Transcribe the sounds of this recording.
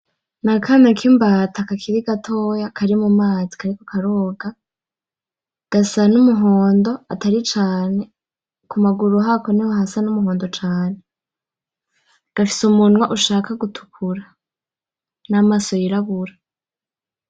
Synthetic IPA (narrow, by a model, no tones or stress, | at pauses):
nakʰamekʰimbatakakʰiɾiɡatʰo̞ːjakʰaɾimumaːzikʰaɾikokʰaɾoːɡa | ɡ̥asanumuɦoːndo̞a̰taɾit͡ʃaːne̞ | kumaɡuɾuɦakonihohasanumuɦo̞ːndo̞t͡ʃaːne | ɡ̥afi̥sumunwaʔuʃaːkaɡutʰu̥kʰuɾa | namaso̞jiɾaβuɾa